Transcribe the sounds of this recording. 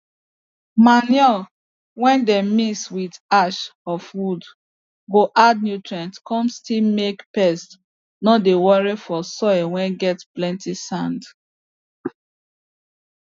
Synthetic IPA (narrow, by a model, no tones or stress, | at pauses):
manjɔ | wɛ̃ndemiswidaʃɔfwud | ɡoʔad̚njutɹɛ̃ntkɔ̃mstilmekpɛst | nɔdewɔɹifɔsɔwɛ̃nɡɛtplɛ̃ntisãnd